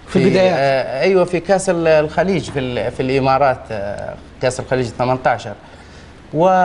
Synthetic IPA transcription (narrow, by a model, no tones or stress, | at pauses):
fibɪd̪ajaːʔajwafikaːsɾlxæliːd͡ʒfifilʔɪmɑːɾˤɑːt̪ | kæːsɾɪlxaliːd͡ʒθamant̪ɑʕʃɑɾˤ | wɪ